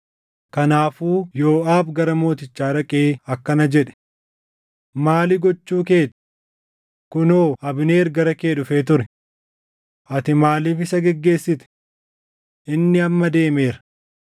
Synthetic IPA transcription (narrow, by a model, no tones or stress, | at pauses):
kɐnaːfuːjo̞ːaːbɡɐɾɐmo̞ːt̪ɪt͡ʃːaːɾɐkʼeːɐkːɐnɐd͡ʒɛᶑɛ̥ | maːlɪɡɔt͡ʃːuːke̞ːᶑ | kʊnoːɐbɪneːɾɡɐɾɐkeːᶑʊfe̞ːt̪ʊɾɛ | ʔɐt̪ɪmaːliːfɪsɐɡɛɡːe̞ːsːɪt̪ɛ̥ | ʔɪnːɪɐmːɐd̪e̞ːmeːɾɐ̥